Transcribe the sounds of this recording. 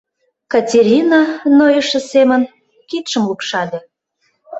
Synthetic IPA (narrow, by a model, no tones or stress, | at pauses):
kɑtʲeɾʲinɑnojəʃə̆semən | kit̪ʃə̆mlupʃɑlʲe